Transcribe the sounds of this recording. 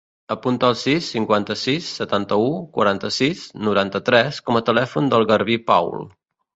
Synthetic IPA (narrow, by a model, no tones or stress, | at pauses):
əpunt̪əːlˠsisːiŋkwant̪əsisːət̪ant̪əukwə̰ɾant̪əsisnuɾant̪ət̪ɾɛskɔmət̪əlɛfund̪əlˠɣəɾβipa̰wl